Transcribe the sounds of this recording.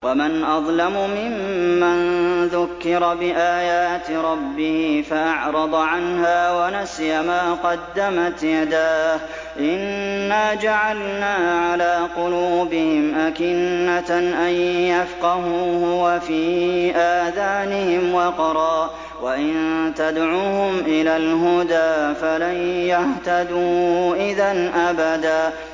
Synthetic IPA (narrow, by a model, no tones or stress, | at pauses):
wamɪnʔɑðˤlamʊmɪmːanðʊkːɪɾbɪʔaːjaːt̪ɾˤɑbːɪhifaʔɑʕɾˤɑd̪ˤʕanɦaːwanasjamaːqɑd̪ːamat̪jad̪aːh | ʔɪnːaːd͡ʒaʕalnaːʕalaːqʊluːbɪhɪmʔakɪnːaʔanjafqɑhuːhʊwafiːʔaːðaːnɪhɪmwɑqɾˤɑː | waʔɪnt̪ad̪ʕuːhʊmʔɪlaːlɦʊd̪aːfalanjaht̪ad̪uːʔɪðanʔabad̪aː